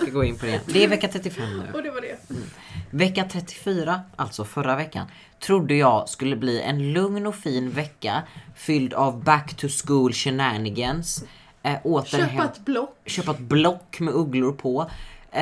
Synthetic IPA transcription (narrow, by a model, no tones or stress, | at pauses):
ɪɡoːɪnpʰɔd̪ɛ̰d̪ɛɛɾvɛkːat̪ʰɾɛt̪ːɪfɛmːnʉ̟̰d̪ɛvaɖɛ | vɛkːat̪ʰɾɛt̪ʰːɪ̥fyːɾaʔalt̪sɔfœɾavɛkːa̰n | t̪ʰɾʊd̪ːəjɑɡskɵlːəbliːʔɛ̰nlɵŋnɔfiːnvɛkːafʏld̪avbækt̪ʰɵskuːlɕɛnæɳɪɡəns | ʔoːt̪əhat̪blɔkːɕøːpat̪blɔkːmɛɵɡlʊɾpʰɔ